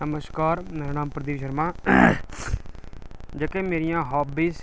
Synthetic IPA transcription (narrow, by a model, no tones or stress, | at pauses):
nəməskaːɾmeːɾaːnaːmpɾəd̪iːʃəɾmãː | d͡ʒəkeːmeːɾɪjãːɦɔːbiːs